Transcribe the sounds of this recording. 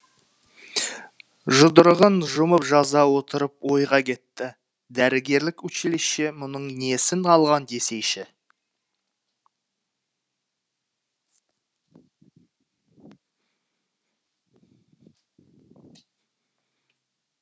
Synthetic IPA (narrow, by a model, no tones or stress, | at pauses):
ʒʊd̪əɾəʁənʒʊməpʒɑzɑwo̞t̪əɾəp̚wo̞jʁɑkʲʰe̞t̪ːɪ | d̪æɾɪɡʲe̞ɾlɪkwɵʃelesʃe̞mʊnəɴne̞sɪŋʰɑlˠʁɑnd̪e̞se̞jʃɪ